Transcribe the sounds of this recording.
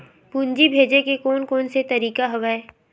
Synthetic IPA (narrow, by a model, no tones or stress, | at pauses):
puːnd͡ʒibʱeːd͡ʒekekɔːnkɔːnset̪ɐɾiːkaɦɐʋaːe